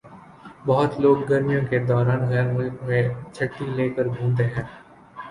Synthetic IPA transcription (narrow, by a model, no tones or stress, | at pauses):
bɐɦʊt̪loːɡːɐɾmijõked̪ɔːɾaːnɣɛːɾmʊlkmẽt͡ʃʰɐʈːileːkəɾbʱũːmt̪eɦɛ̃ː